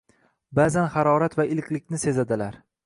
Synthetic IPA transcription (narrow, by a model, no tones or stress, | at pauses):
bazanχaɾɒɾat̪vaʔɪlkʲlɪkʲnɪse̞zad̪ɪlaɾ